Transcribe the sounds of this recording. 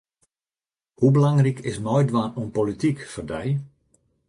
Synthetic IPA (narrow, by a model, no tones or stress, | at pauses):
hubəlaŋrikʰɪsmɔjdwanunpolitikfərdɛj